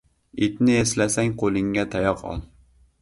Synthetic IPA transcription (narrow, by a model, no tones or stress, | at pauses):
et̪nɪeslɛsɛŋqʰolˠɪŋɡʲɛt̪ʰæjɑqʰɑ̰lˠ